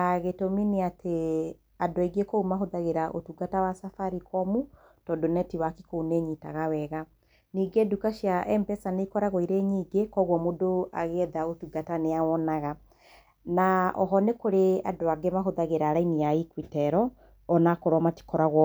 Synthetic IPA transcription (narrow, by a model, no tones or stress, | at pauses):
ɣetomineatʰe | adoaiɡekoumaɦoðaɣeɾaʔo̰tuɡatawasafaɾikɔmu | tɔdonɛtiwaki̥kouneɲitaɣawɛɣa | niːɡedukaʃjaʔɛmpɛsaneikɔɾaɣoiɾeɲiːɡekɔɣwɔmodoa̰ɣeɛðaotuɡataneawɔnaɣa | naʔɔ̰ɦɔnekoɾeadoaɡemaɦoðaɣeɾaːɾainijaikwitɛɾɔː | nakoɾwɔmati̥kɔɾaɣwɔ